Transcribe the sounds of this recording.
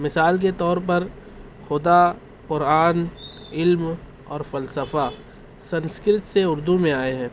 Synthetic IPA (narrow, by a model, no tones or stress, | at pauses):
mɪsaːlk̬et̪ɔːɾp̬ɐɾ | xʊd̪a | qʊɾaːn | ɪlm | ɔːɾfɐlsəfa | sɐ̃nskɾɪt̪seʊɾd̪umẽaːeɦɛ̃ː